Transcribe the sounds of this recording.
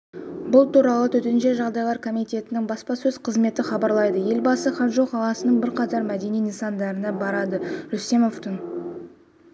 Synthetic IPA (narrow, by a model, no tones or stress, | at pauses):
bʊlˠt̪uɾɑlˠət̪ʰɵt̪enʃe̞ʒɑʁd̪ɑjlˠɑɾkʰo̞mijt̪e̞t̪ɪnɪŋbɑspɑsɵz̥qʰəzme̞t̪ɪχɑbɑɾlˠɑjd̪əje̞lbɑsəχɑt̪ʒo̞qɑlˠɑsənəɴbɪɾqʰɑt̪ɑɾmæd̪e̞nijninsɑnd̪ɑɾənɑbɑɾɑd̪əɾɵse̞mo̞ft̪ən